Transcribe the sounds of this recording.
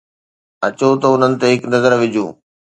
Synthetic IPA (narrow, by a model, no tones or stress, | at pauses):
ɐt͡ɕot̪ɐʊn̤ənɪ̆t̪eɦɪknɐzəɾʋɪd͡ʑʱṵ̃ː